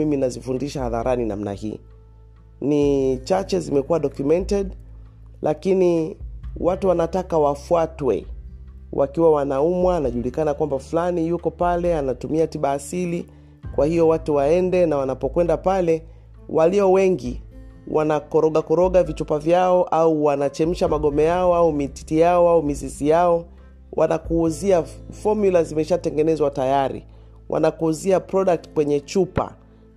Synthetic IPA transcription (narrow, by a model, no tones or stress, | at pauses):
miminazifundiʃahaðaɾʔanina̰mna̰hḭː | nit͡ʃat͡ʃɛzimɛkuwaɗɔkjumɛntɛɗ | lʔakini | wʔatuwanatakawafuatwɛ̰ | wʔa̰kiwawanaumwaːnaʄulikanakwambafulanijukɔpalɛanatumiatiɓaːsili | kwʔahijɔwatuwaɛndɛnawanapɔkwɛndapalɛ | wʔaliɔwɛŋɡi | wʔanakɔɾɔɠakɔɾɔɠavit͡ʃupavjaɔʔauwanat͡ʃɛm̩ʃamaɠɔmɛjaɔaumiti̥tijaɔaumizizijaɔ | wʔa̰nakuːziafɔɾmjulazimɛʃatɛŋɡɛnɛzwatajaɾḭ | wʔa̰nakuːziapɾɔɗak̚tkwɛɲɛt͡ʃupa̰